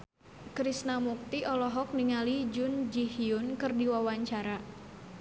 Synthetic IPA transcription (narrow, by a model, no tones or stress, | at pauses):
kɾisnamuk̚t̪iʔɔlɔɦɔk̚niŋalid͡ʒʊnd͡ʒihiʊnkɨrdiwawaɲt͡ʃaɾa